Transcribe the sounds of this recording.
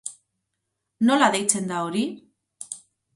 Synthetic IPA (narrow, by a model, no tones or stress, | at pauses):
no̞laðe̞jt͡se̞nd̪ao̞ɾi